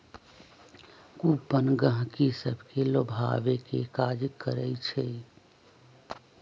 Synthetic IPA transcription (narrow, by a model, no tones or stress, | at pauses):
kupənɡə̃ɦkisəbʱkelobʱa̰ːʋekekaːd͡ʒkəɾəit͡ʃʰe